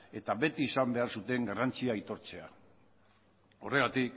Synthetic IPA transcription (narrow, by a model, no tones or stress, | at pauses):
e̞t̪aβe̞t̪iːsambe̞aɾsut̪e̞ŋɡarant͡siajt̪o̞ɾt͡se̞a | o̞re̞ɣ̞at̪ik